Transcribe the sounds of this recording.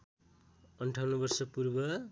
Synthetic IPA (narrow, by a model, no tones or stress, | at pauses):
ʌnʈʰawnʌbʌrsʌpurbʌ